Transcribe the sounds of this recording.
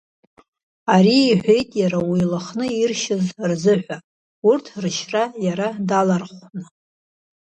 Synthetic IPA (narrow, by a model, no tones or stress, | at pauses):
aɾiiħʷejtʼjaɾawijlaχnɨirʃɨzrzɨħʷa | urtʰrɨʃrajaɾadalarχʷnɨ